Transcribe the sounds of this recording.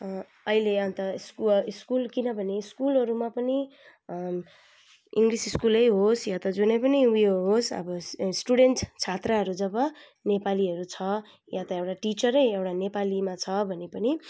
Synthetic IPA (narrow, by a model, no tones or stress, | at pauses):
ʌileʌnt̪ʌskuiskulkinʌbʱʌneiskulɦʌɾumapʌni | iŋɡrisiskulʌjɦosjat̪ʌd͡zunʌjpʌniujoɦosʌ̰bʌsʈuɽeɳʈt͡sʰat̪raɦʌɾud͡zʌbʌ | nepaliɦʌɾut͡sʰʌ | jat̪ʌewʈaʈit͡sʌɾʌjewʈanepalimat͡sʰʌbʱʌnepʌni